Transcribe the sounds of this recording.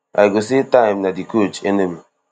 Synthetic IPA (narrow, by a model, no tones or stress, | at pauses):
a̰jɡos̬etaɪmnadikot͡ʃenemi